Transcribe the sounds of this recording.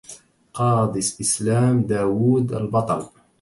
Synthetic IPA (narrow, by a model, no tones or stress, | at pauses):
qɑːd̪ɪsʔɪslaːmd̪aːwuːd̪a̰lbɑt̪ˤɑl